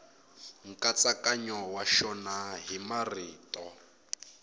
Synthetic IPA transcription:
ŋ̩kʼat͡sakʼaɲɔwaʃɔnaɦimariːtʼɔ

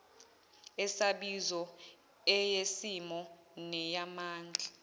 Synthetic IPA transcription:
ɛsaɓizɔ | ɛjesimɔ | nɛjamaːnd͡ɮʱa

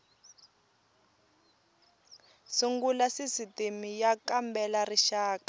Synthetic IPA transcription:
siŋɡulasisitimijakambɛlariʃaːkḁ

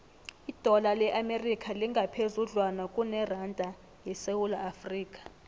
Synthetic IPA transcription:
id̥ʱɔlalɛʔamerikʰʼaliŋɡʱapʰezuɮwanakʼunɛrandʱʼa | jɛsewulaːfriːkʼḁ

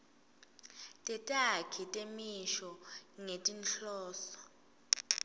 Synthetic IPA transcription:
tʼɛtʼakʰitʼemiʃɔŋetʼinɬɔːsɔ̥

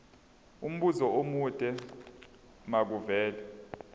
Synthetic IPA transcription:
um̩ɓuzɔomutʼɛ | mak̬uvɛːlɛ

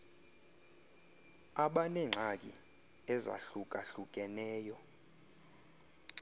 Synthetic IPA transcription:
aɓanɛŋ͡ǁʱak̬ʼi | ɛza̰ɬuk̬ʼaɬuk̬ʼɛnɛːjɔ

